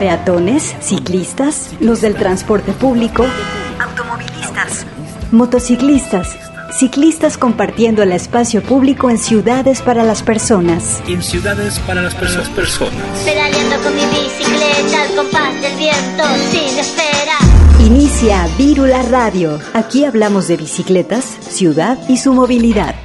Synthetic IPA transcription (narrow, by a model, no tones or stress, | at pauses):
pe̞at̪o̞ne̞sːiklist̪as | lo̞zðe̞lt̪ɾanspo̞ɾt̪e̞puβliko̞awt̪o̞mo̞βilist̪as | mo̞t̪o̞siklist̪asː | iklist̪asko̞mpaɾt̪jend̪o̞elespasjo̞puβliko̞e̞nsjuðaðe̞spaɾalaspe̞ɾso̞nasensjuðaðespaɾalaspeɾaspeɾso̰naspeɾaljend̪okoniβisiklet̪alkopand̪elβjent̪osinespeɾainisjaβiɾularaðjo̞akiaβlamo̞zðe̞βisikle̞t̪asːjuðaðisumo̞βiliða̰ð